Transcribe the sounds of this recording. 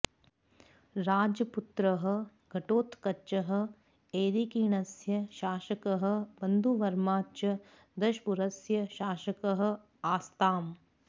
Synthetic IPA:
ɾaːd͡ʒɐput̪ɾɐɦɐ̆ | ɡʱɐʈoːt̪kɐtːʃɐɦɐ̆ | eːɾikiːɳɐsjɐʃaːʃɐkɐɦɐ̆bɐnd̪ʱuʋɐɾmaːt͡ʃɐ | d̪ɐʃpuɾɐsjɐʃaːʃɐkɐɦɐ̆ | aːst̪aːm

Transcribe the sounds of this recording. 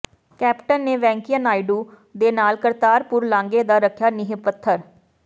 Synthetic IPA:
kɛːpʈənːeːʋɛ̃ːŋkiənaːiɖuː | d̪eːnaːlkəɾt̪aːɾpʊɾlãːŋɡeːd̪aːɾəkʰjaːnɪɦepət̪ʰːəɾ

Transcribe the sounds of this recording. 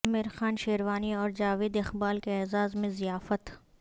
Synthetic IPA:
ɐmɪɾxaːnʃeːɾʋaːniɔːɾd͡ʒaːʋeːd̪ɪxbaːlkeɛːzaːzmẽzijaːfət̪

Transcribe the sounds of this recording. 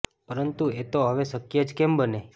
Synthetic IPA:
pəɾənt̪uet̪oɦəʋesəkːijəd͡ʒkembəne

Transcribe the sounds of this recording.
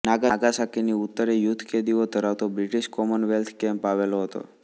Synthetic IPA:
naɡaɡasakiniʊt̪ːəɾejut̪ʰkʰed̪iot̪əɾaʋt̪obɾiʈiʃkɔmənʋelt̪ʰkɛmpaʋeloɦət̪o̰

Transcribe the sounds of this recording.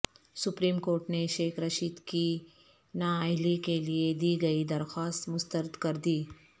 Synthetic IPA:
sʊpɾiːmkoːɾʈneʃeːxɾɐʃiːd̪ki | naːaɦɪlikelied̪iːɡɐid̪ɐɾxaːst̪mʊst̪əɾəd̪kɐɾd̪iː

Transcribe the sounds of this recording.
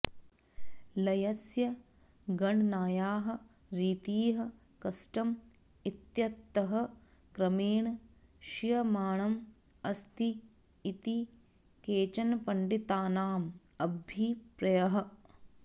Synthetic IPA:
lɐjɐsjɐ | ɡɐɳnaːjaːɦɐ̆ | ɾiːt̪iːɦɐ̆ | kɐsʈɐm | it̪jɐt̪ːɐɦɐ̆ | kɾɐmeːɳɐʃijɐmaːɳɐm | ɐst̪iː | t̪i | keːt͡ʃɐnpɐɳɖit̪aːnaːm | ɐbʱipɾɐjɐɦɐ̆

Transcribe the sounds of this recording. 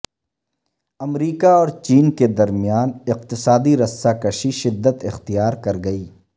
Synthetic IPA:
ɐmɾiːkaɔːɾt͡ʃiːnked̪ɐɾmjaːnɪq̚t̪ɪsaːd̪iɾɐsːakɐʃiʃɪd̪ːət̪ɪxt̪ijaːɾkɐɾɡɐiː

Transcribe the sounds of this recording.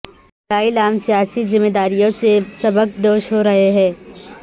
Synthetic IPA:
k̪aːilaːmsijaːsizɪmːeːd̪aːɾijõsesɐbək̚d̪oːʃɦoɾɐɦeɦɛ̃ː

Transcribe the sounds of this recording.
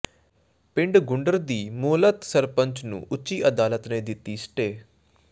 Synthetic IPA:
pɪ̃ɳɖɡʊɳɖəɾd̪iːmuːlət̪səɾpəɲt͡ʃnṵ̃ːʔʊːt͡ʃːiːʔəd̪aːlət̪nẽːd̪ɪt̪ːiːsʈeː

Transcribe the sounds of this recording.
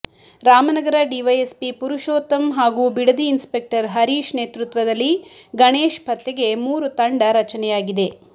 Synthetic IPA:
ɾaːmɐnɐɡɐɾɐɖiʋɐjespipuɾuʃoːt̪ɐmɦaːɡuːbiɽɐd̪iːnspe̞k̚ʈɐɾɦɐɾiːʃneːt̪ɾut̪ʋɐd̪ɐlːiɡɐɳeːʃpɐt̪jɐɡe̞muːɾut̪ɐɳɖɐɾɐt͡ʃɐnɛjaːɡid̪e̞

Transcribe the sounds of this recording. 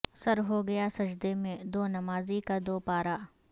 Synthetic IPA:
sɐɾɦoɡɐjasɐd͡ʒd̪emẽd̪oːnɐmaːzikad̪oːpaːɾaː

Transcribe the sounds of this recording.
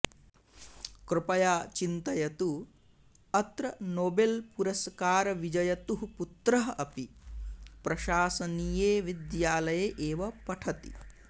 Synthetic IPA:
kɾɪpɐjaːt͡ʃint̪ɐjɐt̪u | ɐt̪ɾɐnoːbelpuɾɐskaːɾɐʋid͡ʒɐjɐt̪uɦuput̪ɾɐɦɐʔɐpi | pɾɐʃaːsɐniːjeːʋid̪jaːlɐjeʔeːʋɐpɐʈʰɐt̪ḭ

